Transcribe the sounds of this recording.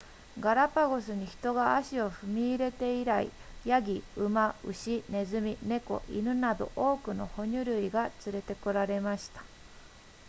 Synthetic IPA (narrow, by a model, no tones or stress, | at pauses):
ɡaɾapaɡo̞s̬ɨɲ̟içi̥t̪o̞ɡaaɕio̞ɸɯ̟mʲiːɾe̞t̪e̞iɾaḭjaɡʲiɯmaɯ̟ɕine̞zɨmʲine̞ko̞̰ʔḭnɯ̟nad̪o̞̰ʔo̞ːkɯ̟no̞̰ho̞ɲ̟ɨɾɯ̟iɡat͡sɨɾe̞t̪e̞ko̞ɾaɾe̞maɕi̥t̪ḁ